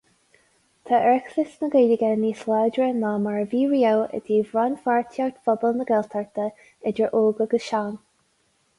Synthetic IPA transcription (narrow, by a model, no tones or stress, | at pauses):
t̪ʰaʔɛɹksɪsnəɡeːdəɡɛniːslaːdɹənamaɹviːɹiːəwə̰d̪iːvɹanfaɹtʰaɹt̪fɔbəlnəɡɛlt̪ʰaɹt̪ə | ɛd͡ʒəɹʔoːɡəɡəʃaːn